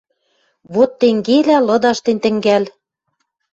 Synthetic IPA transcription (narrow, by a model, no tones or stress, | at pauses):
βot̪ːeŋɡelælɤ̆d̪ɑʃt̪ent̪ɘ̆ŋɡæl